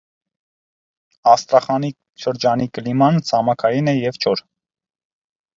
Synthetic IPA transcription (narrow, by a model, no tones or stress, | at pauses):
ɑst̪ɾɑχɑni | ʃəɾd͡ʒɑnikəlimɑnt͡sʰɑmɑkʰɑjinɛjɛvt͡ʃʰɔɾ